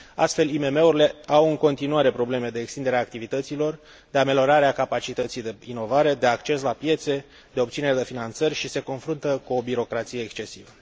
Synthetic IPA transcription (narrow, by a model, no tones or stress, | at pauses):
a̰st̪fe̞lime̞me̞uɾile̞awɨŋko̞nt̪inuaɾe̞pɾo̞ble̞me̞d̪e̞ːkst̪ind̪e̞ɾeaːkt̪ivit̪ət̪silo̞r | d̪e̞ame̞ljo̞ɾaɾeakapat͡ʃit̪ət̪sijd̪e̞ino̞vaɾe̞d̪e̞akt͡ʃe̞slapje̞t̪se̞ | d̪eo̞pt̪sineɾed̪e̞finant̪sərʲʃise̞ko̞nfɾunt̪əkuo̞biɾo̞kɾat̪sijeːkst͡ʃe̞sivə